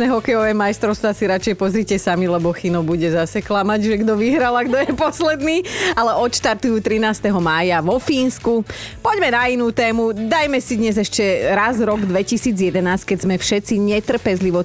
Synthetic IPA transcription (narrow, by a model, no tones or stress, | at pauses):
nɛɦɔkɛjɔʋɛːmajst̪ɾɔʊst̪ʋasiɾat͡ʃɛjpɔzɾiːcɛsamilɛbɔxinɔbuɟɛzasɛklamaɟʒɛɡd̪ɔʋiɦɾalaɡd̪ɔjɛpɔslɛd̪niːalɛʔɔt̪ʃt̪aɾt̪ujuːt̪ɾinaːst̪ɛɦɔmaːjaʋɔfiːnsku | pɔɟmɛnainuːt̪ɛːmud̪ajmɛsid̪ɲɛzɛʃcɛɾazɾɔɡd̪ʋɛcisiːd͡zjɛd̪ɛnaːsckɛɟzmɛfʃɛt͡siɲɛt̪r̩pɛzliʋɔ